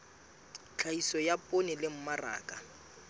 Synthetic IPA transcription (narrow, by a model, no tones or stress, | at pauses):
t͡ɬʰaisɔjapʼonɪlɪm̩mara̰ːkʼa